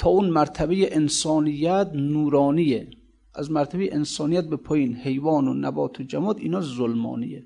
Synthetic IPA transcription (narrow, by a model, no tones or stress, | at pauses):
t̪ʰɒːunmæɾt̪ʰæbejeʔensɒːnijːæt̪nuːɾɒːniːe | ʔæzmæɾt̪ʰæbeeʔensɒːnijæt̪̚bepʰɒːjiːnhe̞jvɒːnonæbɒːt̪ʰod͡ʒæmɒːd̪ḭːnɒːzolmɒ̰ːnḭje